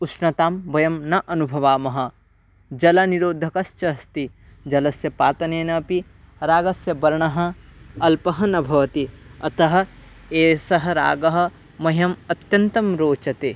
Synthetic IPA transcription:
usʃnɐt̪aːmbɐjɐmnɐʔɐnubʱɐʋaːmɐɦɐ̆ | d͡ʒɐlɐniɾoːd̪ʱɐkɐst͡ʃɐst̪i | d͡ʒɐlɐsjɐpaːt̪ɐneːnɐːpi | ɾaːɡɐsjɐbɐɾɐɳɐɦɐ̆ɐlpɐɦɐnɐbʱɐʋɐt̪iɐt̪ɐɦɐ̆ | eːsɐɦɐɾa̰ːɡɐɦɐ̆ | mɐɦɐmɐt̪jɐnt̪ɐmɾoːt͡ʃɐt̪e

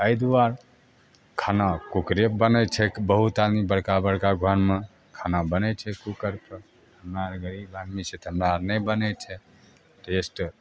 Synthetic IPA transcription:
əjd̪uaɾ | kʰanakukɾebənət͡ʃʰɛbəɦut̪ad̪mibəɽkabəɽkaɡʱənme | kʰanabənɛt͡ʃʰɛkukəɾpəɾ | əmɾaɾɡəɾibad̪mit͡ʃʰɛt̪əmɾaɾnɛjbənɛt͡ʃʰɛ | ʈesʈ

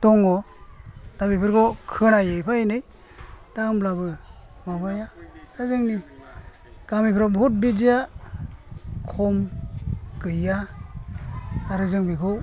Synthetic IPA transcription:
tɔŋɔ | d̥abipʰɯɾɡɔkʰɯnajejpʰaenɯj | d̥amblabɯmabajaazɯŋni | ɡ̥amipʰɾɔbut̚bid͡ʒija | kʰɔm | kɯja | ɾɯzɯŋbikʰɯw

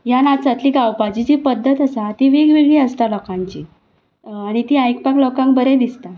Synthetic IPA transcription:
janat͡sat̪liɡawpad͡ʑit͡ɕiːpəd̪ʱːət̪əsat̪iːʋiɡʋiɡɭiːəst̪alɔkãɲt͡ɕiː | aɽ̃it̪iːajkpaklɔkãŋk̚bəɾed̪ist̪a

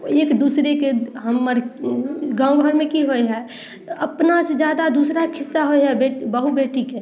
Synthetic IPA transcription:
eːkd̪uːsɾekeɦəmːəɾ | ɡãõbʱəɾmẽkiɦojɦɛ | əpnased͡ʒjaːd̪ad̪uːsɾakʰɪsːaɦoeɦɛbebəɦubeːʈike

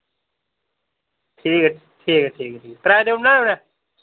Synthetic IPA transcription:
ʈʰiːk | ʈʰiːkeʈʰiːkʈʰiːkpɾaːjd̪emnana

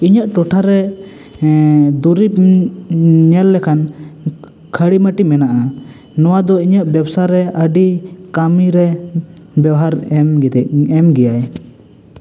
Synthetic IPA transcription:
iɲaʔʈɔʈʰaɾɛ | d̪uɾip̚ | ɲɛlːɛkʰan | kʰəɽiməʈimɛnaʔa | nɔwad̪ɔiɲəʔbjɛbsaɾɛəɖikamiɾɛ | bɛwɦaɾɛmɛmɡɛjaj

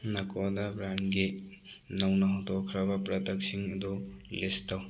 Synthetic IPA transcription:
nɐkʰɔdabɾanɡe | nawnaɦɔtɔkʰɾabapɾɐtɐk̚siŋɐd̪ɔlestaw

